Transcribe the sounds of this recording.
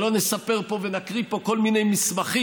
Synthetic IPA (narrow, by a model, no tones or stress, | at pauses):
lo̞nesape̞ʁpo̞venakʁipo̞ko̞lmine̞jmismaχi